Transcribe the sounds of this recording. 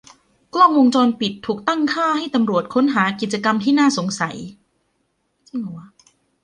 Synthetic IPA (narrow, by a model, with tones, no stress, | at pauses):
klɔ˥˩əŋwo˧ŋt͡ɕɔː˧npi˨˩t̪ʰːuː˨˩k̚t̪a˥˩ŋkʰaː˥˩ha˥˩jt̪a˧mɾu˨˩ət̪̚kʰo˦˥nɦaː˩˦ki˨˩t̪̚t͡ɕa˧ka˧mt̪ʰiː˥˩naː˥˩so˩˦ŋsa˩˦j | t͡ɕi˧˩ŋɔ˨˩˦